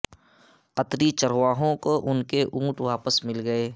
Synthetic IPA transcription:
qət̪ɾit͡ʃəɾwaːɦõkoʔʊnkeʔũːʈʋaːpəsmɪlɡəeː

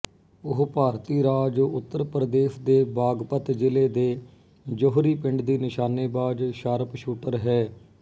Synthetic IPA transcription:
ʊɦpaːɾt̪iːɾaːd͡ʒʊt̪ːəɾpɾəd̪eːʃd̪eːbaːɡpət̪d͡ʒɪleːd̪eː | d͡ʒoɦɾiːpɪ̃ɳɖd̪iːnɪʃaːneːbaːd͡ʒʃəɾpʃuːʈəɾɦɛː

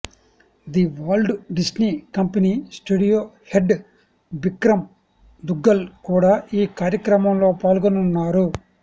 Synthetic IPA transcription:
d̪iʋaːlɖɖisniːkɐmpɐnisʈuːɽijoːheɖ | bikɾɐm | d̪uɡːɐlkuːɽaːʔiːkaːɾjɐkɾɐmɐmlo̞ːpaːlɡonunːaːɾu

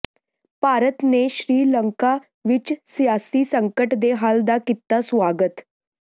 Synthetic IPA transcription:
paɾət̪neɕɾiːləŋka | ʋit͡ɕsjasiːsəŋkəʈd̪eɦald̪akit̪ːasʋaɡət̪

